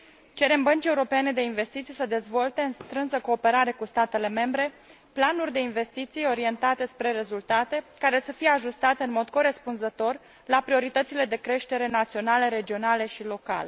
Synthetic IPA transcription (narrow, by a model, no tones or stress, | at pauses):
t͡ʃe̞ɾe̞mbənt͡ʃie̞uɾo̞peene̞d̪e̞inve̞st̪it̪sijsəd̪e̞zvo̞lt̪e̞ɨnst̪ɾɨnsəko̞ːpe̞ɾaɾe̞kust̪at̪e̞le̞me̞mbɾe̞ | planurʲd̪e̞inve̞st̪it̪sijo̞ɾie̞nt̪at̪e̞spɾe̞ɾe̞zult̪at̪e̞kaɾe̞səfijeaʒust̪at̪eɨnmo̞d̪ko̞ɾe̞spunzət̪o̞r | lapɾio̞ɾit̪ət̪sile̞d̪e̞kɾe̞ʃt̪e̞ɾe̞nat̪sio̞naleɾe̞d͡ʒio̞nale̞ʃilo̞ka̰le